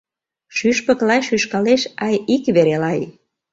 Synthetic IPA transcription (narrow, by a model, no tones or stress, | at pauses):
ʃyʃpə̆klɑjʃyʃkɑleʃɑjikβeɾelɑj